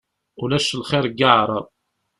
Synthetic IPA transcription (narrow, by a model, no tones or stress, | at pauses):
ulæʃəlχɪɾɡaʕɾˤəðˤ